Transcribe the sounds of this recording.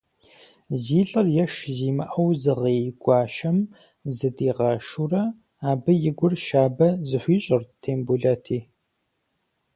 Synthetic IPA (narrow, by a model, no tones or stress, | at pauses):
ziːɬʼɐrjɛʃziːmɨʔɐwzɨʁeːjɡʷɑːʃɐm | zɨdiːʁɑʃurɐ | aːbɨjɪɡʷʊrʃaːbɐzɨfʷiːɕʼɪrtʰeːmbuɮɐtʰiː